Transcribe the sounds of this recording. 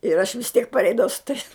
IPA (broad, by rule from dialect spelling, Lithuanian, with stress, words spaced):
ɪr ɐʃ ʋʲɪs ˈtʲiɛk pɐrʲˈɛɪdɐʋɐʊ sʊ tɐɪs